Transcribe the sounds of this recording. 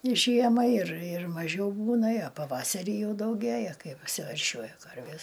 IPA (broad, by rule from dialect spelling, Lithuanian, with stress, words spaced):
ˈʒʲiɛmɐ ɪr ɪr mɐˈʒʲɛʊ ˈbuːnɐ ɐ ˈpɑːʋɐsɐrʲiː ˈjɛʊ dɐʊˈɡʲeːjɛ ˈkɐɪ ɐpʲsʲɪʋʲɛrʲˈʃʲuɔjɛ ˈkɐrʲʋʲeːs